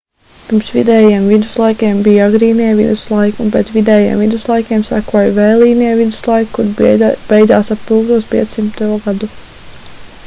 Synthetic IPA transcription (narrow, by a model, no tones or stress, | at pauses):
piɾmsvḭd̪ɛːjeɛmvid̪uslˠajkʲiɛmbijaɡɾiːniɛvid̪uslˠajkunp̬ɛːt̪svid̪ɛːjḛɛmvid̪uslˠajkʲeɛmsakuɔjvɛːlˠiːniɛvid̪u̥slˠajkkːuɾb̥ɛjd̪zaːsappuːɡlˠuɔspḭɛt̪ssimt̪t̪uɔɡad̪u